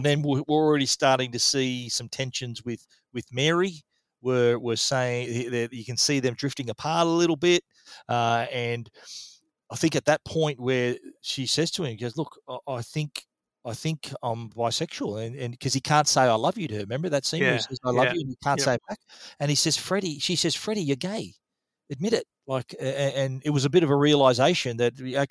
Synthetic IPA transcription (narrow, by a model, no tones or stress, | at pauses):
nðɨ̃nwɪwɪɹl̩ˠɹɛɾistɑɹɾɪ̃ŋtɨsisʌ̃mtʰɛ̃nʃɨ̃nzwɪð̥ | wɨðmɛɹi | wə˞wə˞seɪɪ̃ŋðəjɨkɨ̃nsiðɨ̃mdɹɪftɪ̃ŋɨpʰɑɹɾəlɪɾl̩ˠbɪt̚ | ʌɨ̃n | aɪθɪ̃ŋkɨt̪̚ðɨt̚pʰɔ̃ɪ̃nʔ̚wə˞ʃisɛz̥tʰəɨ̃misɛzlʊkʔaɪθɪ̃ŋk | aɪθɪ̃ŋkʰã̰ɪ̃mvaɪsɛkʃul̩ˠɨ̃nɨ̃nkʰʌz̥ikʰæ̃ntseɪaɪlʌvjɨɾɨɹɨmɛ̃mbə˞ðɨtsĩisɛzaɪlʌvjɨɨ̃nikʰæ̃nsseɪbæk̚ɨ̃nisɛz̥fɹɛɾiʃisɛz̥fɹɛɾijə˞ɡeɪ | ɨd̚mɪɾɨt̚laɪkɨɨ̃nɨt̚wʌzɨbɪɾʌvəɹiɨlˠaɪzeɪʃɨ̃nðɨt̚aɪ